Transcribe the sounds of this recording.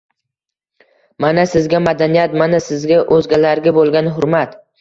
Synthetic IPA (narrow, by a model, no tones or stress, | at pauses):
manasɪzɡʲamad̪anijat̪manasɪzɡʲaʔɵzɡʲalaɾɡʲabolˠɡʲanɦʊɾmat̪